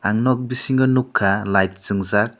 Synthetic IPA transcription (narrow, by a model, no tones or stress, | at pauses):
aŋnɔk̚bisiŋɡɯnukʰːalajt̚z̥ɯŋzak̚